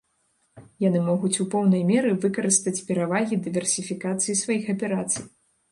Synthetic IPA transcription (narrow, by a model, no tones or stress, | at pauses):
janɨmɔɣut͡sʲupɔwnɐjmʲɛɾɨvɨkɐɾɨst̪ɐt͡sʲpʲɛɾavaɣʲid̪ɨvʲɛrsʲifʲikat̪sɨjisvajixɐpʲɛɾat̪sɨj